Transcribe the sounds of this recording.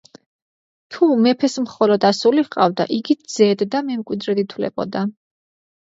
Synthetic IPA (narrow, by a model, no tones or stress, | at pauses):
t̪ʰumɛpʰɛsmχɔlɔd̪asuliqʼavd̪a̰ʔiɡid̪z̥ɛːd̪d̪amɛmkʼwid̪ɾɛd̪it̪ʰwlɛ̰bɔ̰d̪a